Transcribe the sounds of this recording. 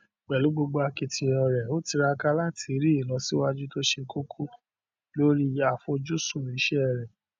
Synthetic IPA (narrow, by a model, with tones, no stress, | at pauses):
k͡pɛ˨lu˨˦ɡ͡bo˧ɡ͡bo˧a˧ki˧tʰĩ˨˧˨ɾ̃ɔ̃˨ɾɛ˨o˦ti˧ɾa˧ka˦la˦tʰi˧˦ɾi˦i˨lɔ̃˨˦si˦wa˦d͡ʒu˦to˦ʃe˧ko˦kʰo˦ | lo˦ɾi˦a˨fo˧d͡ʒu˦sũ˦˨i˨˦ʃɛ˦˨ɾɛ˨